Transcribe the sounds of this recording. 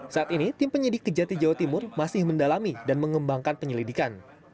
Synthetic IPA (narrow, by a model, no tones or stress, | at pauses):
saːt̪init̪ɪmpəɲədɪkːəd͡ʒat̪id͡ʒawat̪imʊrmasɪhməndalamidanməŋəmbaŋkanpəɲəlidikan